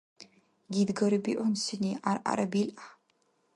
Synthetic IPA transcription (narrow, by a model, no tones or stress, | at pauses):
ɡʲid̪ɡɐɾɨbḭːʔʷɔnsɨniːʔaɾʔa̰ɾɐbiːlʔa